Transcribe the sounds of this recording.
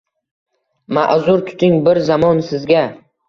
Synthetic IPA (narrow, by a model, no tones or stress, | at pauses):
ma̰ʔzʊɾt̪ʰʊ̥t̪ʰɪŋbɪɾzamɒnsɪzɡʲa